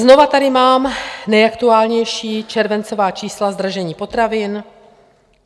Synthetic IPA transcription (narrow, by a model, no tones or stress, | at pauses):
zno̞vat̪adɪmaːmnɛjakt̪uaːlɲɛjʃiːt͡ʃɛɾvɛnt͡so̞vaːt͡ʃiːslazd̪ɾaʒɛɲiːpo̞t̪ɾavɪn